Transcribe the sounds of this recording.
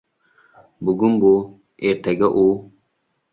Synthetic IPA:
buɡumbo | etaɡaʔo

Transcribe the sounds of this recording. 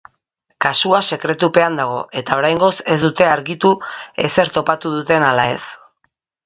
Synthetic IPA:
kasuase̞kɾe̞t̪upe̞and̪aɣ̞o̞ʔe̞t̪ao̞ɾajŋɡo̞se̞zd̪ut̪e̞aɾɣit̪ue̞̰se̞ɾt̪o̞pat̪uðut̪e̞nalae̞̰s

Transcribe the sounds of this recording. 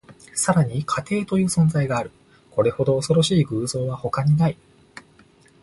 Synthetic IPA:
saɾaɲ̟ikʰat̪e̞ːt̪o̞jɯ̟ːsõ̞nzaiɡaːɾɯ̟ | ko̞ɾe̞ho̞d̪o̞ːso̞ɾo̞ɕiːɡɯ̟ːzo̞ːβaho̞kaɲ̟inai

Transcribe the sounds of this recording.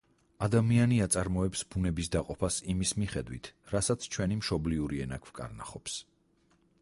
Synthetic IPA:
ad̪amianiat̪sʼaɾmɔɛpsbunɛbisd̪aqʼɔpʰasimismiχɛd̪wḭt̪ʰɾasat̪sʰt͡ʃʰwɛnimʃɔbliuɾiɛnakʰv̥kʼa̰ɾna̰χɔps

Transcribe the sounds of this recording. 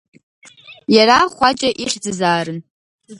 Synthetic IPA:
jaɾaχʷat͡ʃʼaʔiχʲd͡zɨzaːrɨn

